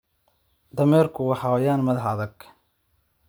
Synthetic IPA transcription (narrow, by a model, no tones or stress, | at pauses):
d̪ɐmɛːrkʰʊwɑħɑwjaːnmɐðɐħɐðɐɡ